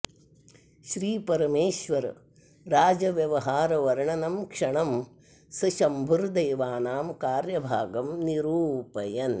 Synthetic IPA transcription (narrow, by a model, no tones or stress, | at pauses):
ʃɾiːpɐɾɐmeːʃʋɐɾ | ɾaːd͡ʒɐʋjɐʋɐɦaːɾɐʋɐɾɐɳɐnɐmkʂɐɳɐm | sɐʃɐmbʱuɾd̪ɐjːʋaːnaːmkaːɾjɐbʱaːɡɐmniɾuːpɐjɐn